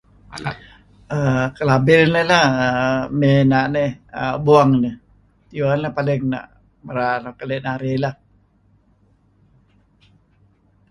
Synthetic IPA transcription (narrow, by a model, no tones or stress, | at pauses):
əkəlabɪɾnəlahəmenaʔnehəbuaŋnə | t̪iuanlapalɪŋna̰ʔ | məɾanakəlɛʔnaɾelah